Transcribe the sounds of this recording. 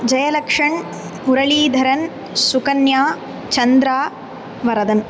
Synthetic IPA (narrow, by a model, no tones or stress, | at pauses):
d͡ʒɐjɐlɐkʂɐɳ | uɾɐɭiːd̪ʱɐɾɐn | sukɐnjaː | t͡ʃɐnd̪ɾaː | ʋɐɾɐd̪ɐn